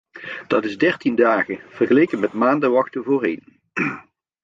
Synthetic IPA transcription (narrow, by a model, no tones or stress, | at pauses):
d̥ɑtɪzdɛrtindaːɣəv̥ərɣəlejkənmɛtmaːndəʋɑxtəvoːrejn